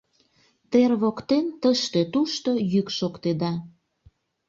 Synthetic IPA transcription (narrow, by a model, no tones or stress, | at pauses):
t̪erβokt̪ent̪əʃt̪et̪uʃt̪o̽jykʃokt̪ed̪ɑ